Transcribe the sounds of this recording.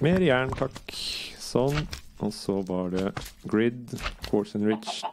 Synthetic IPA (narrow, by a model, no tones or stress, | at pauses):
meːɾəjæːɳt̪ʰɑksɔnʔɔsɔʋɑɖɛɡɹɪd̪kʰɔːsənɹɪt͡ʃ